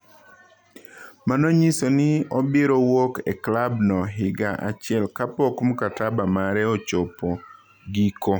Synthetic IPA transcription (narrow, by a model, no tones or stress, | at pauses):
manɔɲisonɪɔbɪɾowokɛ̰klabnɔɦɪɡaʔa̰t͡ʃɪɛlkapɔkmukatabamaɾɛot͡ʃopo | ɡiko